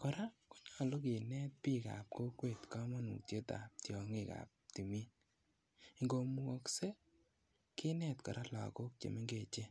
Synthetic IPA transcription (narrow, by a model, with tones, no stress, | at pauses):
kɔ˨ɾa˦kɔ̥˦ɲa˦˨lo˦kɪ˨nɛ˦t̚pi˦ka̰˨p̚ko˦kwe˦˨tka˦mɔ˦nṵ˨te˦ta̰˨p̚tjɔ˨ŋɪ˦˨ka̰˨p̚ti˨mi˦ | i˨ŋɡo˨mu˨ɔ˨kse˦ | kɪ˦nɛ˦˨tkɔ˨ɾʔa˦la̰˨ko˦k̚t͡ʃḛ˨me˦ŋɡe˦˨t͡ʃe˦